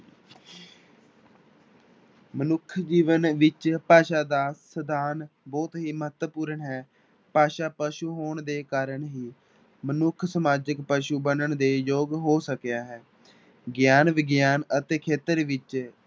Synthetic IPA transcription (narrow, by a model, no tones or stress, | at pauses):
mənʊkʰd͡ʒiːʋənʋɪt͡ʃpaːʃaːd̪aːsəd̪aːnbɔːt̪ɦiːməɦət̪wəpuːɾəɳɦɛː | paːʃaːpəʃuːɦoːɳd̪eːkaːɾəɳɦiː | mənʊkʰsəmaːd͡ʒəkpəʃuːbənəɳd̪eːjoːɡɦoːsəkjaːɦɛː | ɡjaːnʋɪɡjaːnət̪eːkʰeːt̪əɾʋɪt͡ʃ